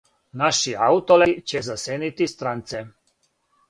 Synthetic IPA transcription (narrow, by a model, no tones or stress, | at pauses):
naʃiaut̪olɛt͡ɕezaseːnit̪ist̪ɾant̪se